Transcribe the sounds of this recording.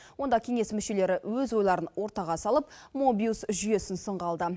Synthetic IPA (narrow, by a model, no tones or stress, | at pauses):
wo̞nd̪ɑkʲʰe̞ŋe̞smʏʃe̞le̞ɾɪwɵzwo̞jlˠɑɾənwo̞ɾt̪ɑʁɑsɑlˠəp̚mobʲiusʒʏje̞sɪnsəɴʁɑlˠd̪ə